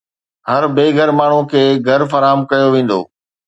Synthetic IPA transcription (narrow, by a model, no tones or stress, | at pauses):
hɐɾbeːɡʱəɾmaːɳ̤ũkʰeːɡʱɐɾfɐɾaːəmkɐjoʋẽːn̆d̪o̰ː